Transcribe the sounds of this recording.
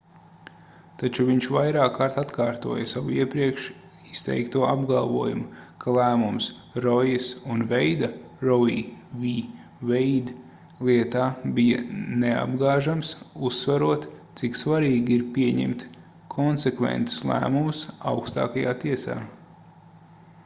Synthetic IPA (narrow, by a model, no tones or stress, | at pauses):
t̪at͡ʃuviɲt͡ʃvajɾaːkːaɾt̪at̪kaːɾt̪uɔjɐsawiɛpɾiɛkʃ | ist̪ɛ̰jkt̪uɔabɡalˠvuɔjṵmkʰalˠæːmums | ɾɔjisunvɛjd̪a | ɾɔvḭːviː | vɛjd̪ | lˠiɛt̪aːbijɐ̰nea̰b̚ɡaːʒamsusːvaɾuɔt̪t̪siksvaɾiːɡiɾpiɛɲɛ̰mt̪ | kʰɔnsekvɛ̰nt̪u̥slˠæ̰ːmumʊsa̰wkst̪a̰ːkaja̰ːt̪iɛsa̰ː